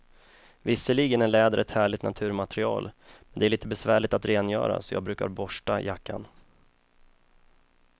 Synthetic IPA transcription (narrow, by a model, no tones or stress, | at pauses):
vɪsːəɭiɡənæɭɛːd̪əɾɛt̪hæːɭɪt̪nat̪ʰʉ̟ːɾmat̪ɾɪɑːlmɛnd̪ɛæɭiːt̪əbɛsvæːɭɪt̪at̪ɾeːnjœ̰ːɾa̰sɔjɑ̰ːɡ̚bɾʉ̟ːka̰ɾbɔʂʈajakːa̰n